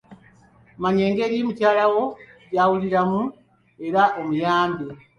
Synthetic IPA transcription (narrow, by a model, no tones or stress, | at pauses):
maɲe̞ːŋɡe̞ːɾiːmucaːlawo̞ɟaːwuliɾamu | e̞ɾaʔomujaːmbe